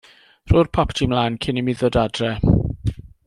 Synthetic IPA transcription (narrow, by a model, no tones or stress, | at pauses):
r̥ʊːrpʰɔptʰimlaːnkʰɪnɪmiðɔdadrɛ